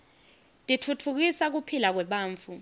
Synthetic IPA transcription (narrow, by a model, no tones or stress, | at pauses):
tʼitʰutʰuk̬isak̬upʰilak̬wɛɓaːɱfu